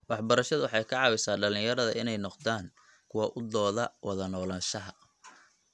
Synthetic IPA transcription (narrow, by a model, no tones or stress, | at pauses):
wɑħbɐɾɐʃɐðʊwɑħɑjkʰɑʕɑːwɪsaːɖɐlɪ̃jɐɾɐðɐ̰ʔɪnɛjnɔqd̪aːŋ | kʰʊwɑʔʊd̪ɔːðɐwɑðɐnɔːlaːnʃɐɦɐ